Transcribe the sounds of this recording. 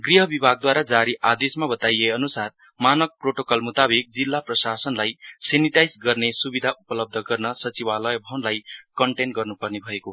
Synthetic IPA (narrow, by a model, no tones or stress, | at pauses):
ɡriɦʌbibʱaɡ̚d̪waɾad͡zaɾiʔad̪esmabʌt̪ajeʌnusar | manʌk̚proʈokʌlmut̪abek̚d͡zilːaprʌsasʌnlajseniʈajsɡʌrnesubid̪ʱaʔupʌlʌb̚d̪ʱʌɡʌrnʌsʌt͡sibalʌjʌbʱʌnlajkʌɳʈenɡʌrnupʌrnebʱʌeko